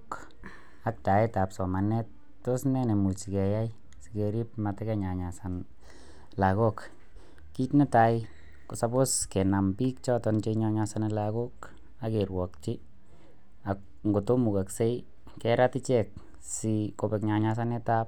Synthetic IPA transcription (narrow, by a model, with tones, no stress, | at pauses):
k | a˦k̚ta˨eta˨psɔ˨ma˨nɛ˦t̚ | to˦snɛ˦ne˨mu˨t͡ʃi˨kɛ˨ja˦j | sike˨ɾi˦p̚ma˨tɛkɛɲa˨ɲa˨san | la˨ko˦k | ki˦tne˦ta˨jɪ | kosa˦bo˦ske˨na˨mpi˦k̚t͡ʃɔ˦tɔnt͡ʃeɲa˦ɲasanelako˦k | ake˨rwɔ˨kt͡ʃɪ | a˨k̚ | ŋɡo˨to˦mu˨ka˨kse˦j | kɛɾatɪ˦t͡ʃɛk̚ | siko˧pɛkɲaɲas̬anetap̚